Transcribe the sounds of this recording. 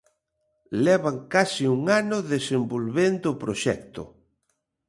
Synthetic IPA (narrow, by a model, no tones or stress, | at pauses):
lɛβaŋkasiuŋanʊðesembolβend̪ʊpɾoʃɛkt̪ʊ̰